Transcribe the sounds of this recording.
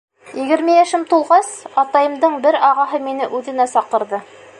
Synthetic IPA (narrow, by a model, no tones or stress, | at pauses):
jɘ̆ɡʲɘ̆ɾmejæʃɘmt̪ulˠʁɑsɑt̪ɑjɤmd̪ɤɴbɪɾɑʁɑɦɤmenɪʔʉðɘ̆næsɑqə̆ɾd̪ɤ